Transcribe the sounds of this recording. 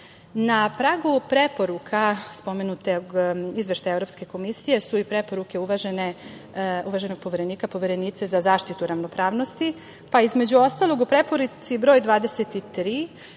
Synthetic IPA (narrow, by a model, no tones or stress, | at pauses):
napɾaːɡupɾepo̞ɾukʰaspo̞me̞nut̪eizʋeʃt̪ajevɾo̞pske̞ko̞misije̞suipɾe̞po̞ɾuke̞uʋaʒene | uʋaʒe̞no̞ɡ̚po̞ʋeɾe̞niːkapo̞ʋe̞ɾe̞niːt̪sezazaːʃt̪it̪uɾaʋno̞pɾaːʋno̞st̪i | paizme̞d͡ʑuo̞st̪alˠo̞ɡupɾepo̞ɾut̪sibɾo̞ːjd̪ʋaːd̪eset̪it̪ɾiː